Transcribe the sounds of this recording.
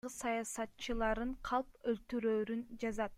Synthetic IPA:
ɯsɑjɑsɑt̪t͡ʃɯlˠɑɾɯɴqʰɑlˠpølt̪yɾøːɾynd͡ʒɑzɑt̪̚

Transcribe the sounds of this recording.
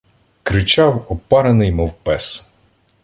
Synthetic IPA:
kɾɪt͡ʃɑwɔpɑɾenɪjmɔwpɛs

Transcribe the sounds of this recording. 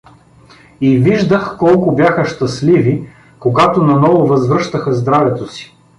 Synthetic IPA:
iviʒd̪əxkɔlˠkʊbjaxəʃt̪ɐslivi | koɡat̪onɐnɔvovɐzvɾɤʃt̪əxɐzd̪ɾavɛt̪osi̥

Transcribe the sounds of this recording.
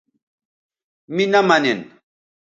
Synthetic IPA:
mɪnamanen

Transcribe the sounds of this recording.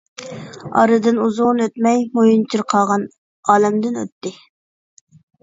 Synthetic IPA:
ɑ̰ɾɨd̪ɨnuzʊʁnøt̪mɛjmojunt͡ʃʰiɾqʰɑʁɑn | ɑːlɛmd̪ɪnø̰t̪ːɪ

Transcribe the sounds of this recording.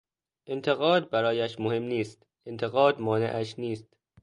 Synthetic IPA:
ʔe̞nt̪ʰe̞ɣɒːd̪̚bæɾɒːjæʃmohe̞mniːst̪ | e̞nt̪ʰe̞ɣɒːd̪mɒːnḛʔæʃniːst̪

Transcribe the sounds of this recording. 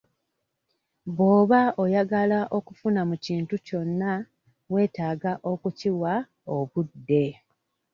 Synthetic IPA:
bo̞ːβaojaɡalaʔo̞kufunamuciːntuco̞nːa | we̞ːtaːɡaʔo̞kuciwa | o̞βudːe̞

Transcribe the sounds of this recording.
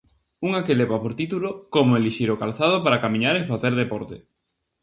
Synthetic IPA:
uŋakeleβapoɾt̪it̪ulokomoeliʃiɾokalθað̞opaɾakamĩɲaɾeŋfaθeɾðepɔɾt̪ḛ

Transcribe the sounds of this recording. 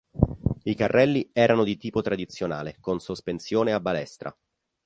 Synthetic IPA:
ikarːɛlːiɛːɾanod̪it̪iːpot̪ɾad̪it̪sːjona̰ːlekonsospensjoːneabːalɛst̪ɾa̰

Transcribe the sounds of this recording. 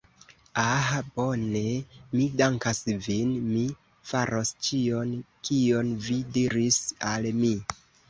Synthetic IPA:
ahabone̞midaŋkasvinmi | faɾʔost͡ʃio̞nkʰio̞nvidiɾisalmi

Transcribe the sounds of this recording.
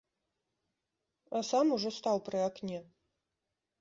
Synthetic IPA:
asamuʐɔst̪awpɾɨaknʲɛ

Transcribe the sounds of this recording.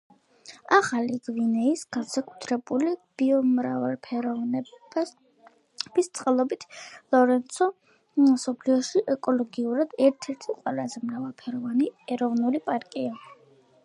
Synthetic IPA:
aχaliɡvinɛisɡ̥ansakʼut̪ʰɾɛbulib̥iɔmɾavalpʰɛɾɔvnɛ | b̥ist̪sʼqʼɛlˠɔbit̪ʰlˠɔɾɛnt̪sʰɔ | msɔpʰliɔʃiʔɛkʼɔlɔɡiuɾad̪ɛɾt̪ʰɛɾt̪ʰiqʼwalazɛmɾavalˠpʰɛɾɔvaniɛɾɔvnulipʼaɾkʼia

